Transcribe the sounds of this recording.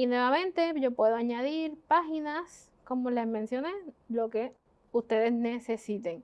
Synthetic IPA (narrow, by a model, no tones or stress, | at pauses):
inwe̞βamẽ̞nt̪e̞ʝo̞pwe̞ðoaɲaðiɾpaxinas | ko̞mole̞zmẽ̞nsjo̞ne̞lo̞ke̞ | ust̪e̞ðe̞zne̞se̞sit̪eŋ